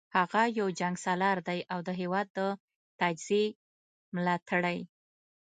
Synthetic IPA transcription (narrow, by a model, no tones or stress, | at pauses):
haɣajawd͡ʒaŋɡsalɑɾd̪ajʔawd̪əɦewɑd̪̚ːə | t̪ad͡ʒz̥e | mlɑt̪ʰaɽaj